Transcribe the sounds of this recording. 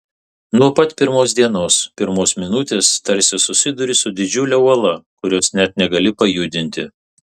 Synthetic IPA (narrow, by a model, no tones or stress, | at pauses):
nuɔpɐt̪pʲɪɾmoːs̬d̪ʲiɛnoːspʲɪɾmoːsmʲɪnʊt̪ʲeːst̪ɐɾʲsʲɪsʊsʲɪd̪ʊɾʲɪsʊd̪ʲɪd͡ʒʲʊlʲɛuɔlˠɐkʊɾʲoːsnʲɛt̪nʲɛɡɐlʲɪpɐjuːd̪ʲɪnʲt̪ʲɪ